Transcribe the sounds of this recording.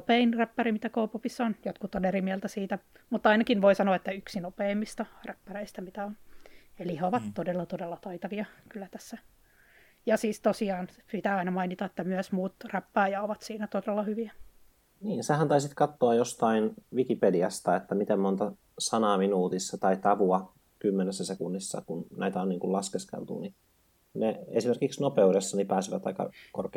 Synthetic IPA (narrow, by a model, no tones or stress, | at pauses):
nopeinræpːærimit̪ækoːpupisːɑonjot̪kut̪onerimiɛlt̪æsiːt̪æ | mut̪ːɑinɑkinʋoisɑnoɑet̪ːæyksinopeːmːist̪ɑræpːæreist̪æmit̪æoneliheoʋɑt̪t̪odelːɑt̪odelːɑt̪ɑit̪ɑʋiɑkylːæt̪æsːæ | jɑsiːst̪osiɑːnpit̪æːɑinɑmɑinit̪ɑet̪ːæmyæsmuːt̪ræpːæːjɑoʋɑt̪siːnæt̪odelːɑhyʋiæ | niːnsehænt̪ɑisit̪kɑt̪ːoɑjost̪ɑinʋikipediɑst̪ɑet̪ːæmit̪emmont̪ɑ | sɑnɑːminuːt̪isːɑt̪ɑit̪ɑʋuɑ | kymːenesːæsekunːisːɑ̰kunnæit̪æoniːŋkulɑskeskḛlt̪ṵni | neesimerkiksnopeudesːɑnipæːsiʋæt̪ɑ̰ikɑ̰korke